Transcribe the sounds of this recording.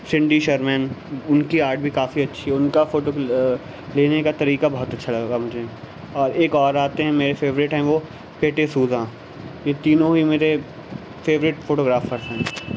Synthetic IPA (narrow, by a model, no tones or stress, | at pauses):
sɪ̃ɳɖiʃɐɾmɛ̃nʊnkiaːɾʈ̚bʱikaːfiɐtːʃʰiɦɛʊnkafoːʈo | leːnekat̪ɐɾiːkabɐɦʊt̪ɐtːʃʰalɐɡɡamʊd͡ʒʱeɦ | ɔːɾeːkɔːɾaːt̪eɦɛ̃meːɾefʰeːʋɾɪʈɦɛ̃ʋo | peːʈesuːzãː | jet̪iːnõɦimeːɾe | feːʋɾɪʈfoːʈoːɡɾaːfəɾzɦɛ̃ː